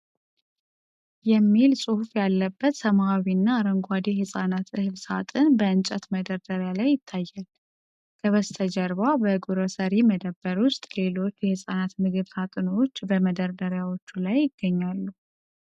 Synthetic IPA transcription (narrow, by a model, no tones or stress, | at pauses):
jɛmːilsʼɨhufjalːəbːət̪səmawinːaːɾəŋɡʷad̪ihɨsʼanat̪ɨhɨβsat̪ʼɨnbəɨnt͡ʃʼət̪məd̪əɾd̪əɾjalajːɪt̪ʰːajːal | kʰəβəst̪ʰəd͡ʒəɾβabəɡuɾəsəɾiməd̪əbːəɾwʊst̪ʼle̞lo̞t͡ʃːjɛhɨsʼanat̪mɨɡɨβsat̪ʼɨno̞t͡ʃːbəməd̪əɾd̪əɾjawo̞t͡ʃːulajːɪɡ̥ːəɲːalːu